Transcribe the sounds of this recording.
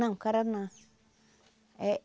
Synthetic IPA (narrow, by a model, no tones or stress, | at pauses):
ãŋkaɾanã | e